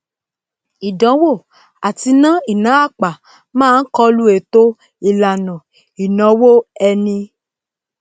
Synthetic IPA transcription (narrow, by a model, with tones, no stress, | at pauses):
i˨dɔ̃˨˦wo˦˨ | a˨ti˧nã˦i˨nã˨˦a˦˨k͡pa˨ | mãː˦˧˦n̩˦kɔ˧lu˦e˨to˦ | i˨la˨nɔ̃˨ | i˨nɔ̃˨˦wo˦ɛ˧nĩ˧